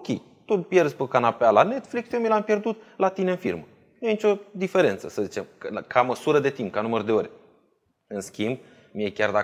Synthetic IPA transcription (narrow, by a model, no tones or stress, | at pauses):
okʲḛj | t̪upje̞rzpəkanapealane̞t̪fliksomilampje̞rd̪ut̪lat̪ine̞ɨnfḭrmə | nujenit͡ʃʲo̞d̪ife̞ɾe̞nt̪səsəzit͡ʃe̞mkkʰaməsuɾəd̪e̞t̪imp̚kanumərd̪e̞oɾʲ | ɨnskʲimb̚ | mije̞kʲard̪a